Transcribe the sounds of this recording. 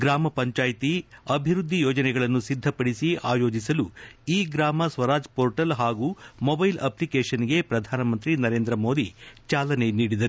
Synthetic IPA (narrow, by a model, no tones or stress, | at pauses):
ɡɾaːmɐpɐɲt͡ʃaːjt̪iɐbʱiɾud̪ʱːijoːd͡ʒɐnɛɡɐɭɐnːusid̪ʱːɐpɐɽisiaːjo̞ːd͡ʒisɐluiːɡɾaːmɐsʋɐɾaːd͡ʒpoːɾʈɐlɦaːɡumɔbɐjlɐ̰plikeːʃɐniɡe̞pɾɐd̪ʱaːnɐmɐnt̪ɾinɐɾe̞ːnd̪ɾɐmo̞ːd̪it͡ʃaːlɐne̞niːɽid̪ɐɾu